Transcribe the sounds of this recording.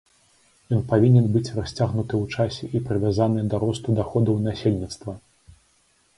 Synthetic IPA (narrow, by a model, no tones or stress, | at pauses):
jɔnpavʲinʲɛnbɨt͡sʲrasʲt͡sʲaɣnut̪ɨwt͡ʂasʲɛʔipɾɨvʲazanɨd̪aɾɔst̪ud̪axɔd̪ɐwnasʲelʲnʲit̪st̪vɐ